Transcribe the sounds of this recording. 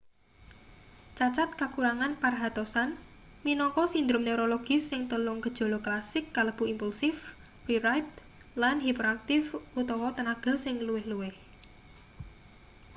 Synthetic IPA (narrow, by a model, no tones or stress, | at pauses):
t͡ʃat͡ʃat̪̚kakuɾaŋanparɦat̪ɔsan | minɔŋkɔsind̪ɾʊmneɾoloɡ̥ɪ̤sɪŋt̪əlʊŋɡəd̥ʒ̥o̤lɔklasɪkːaləb̥uimpulsɪf | riɾajp̪ | lanɦipɾoak̚t̪ɪfut̪ɔwɔt̪ənaɡ̥ə̤sɪŋluwɪhluwɪh